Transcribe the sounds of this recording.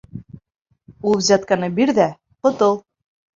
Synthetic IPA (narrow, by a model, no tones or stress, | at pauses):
ulˠβzʲɑt̪̚kɑnɤbiɾðæ | qŏt̪ɤlˠ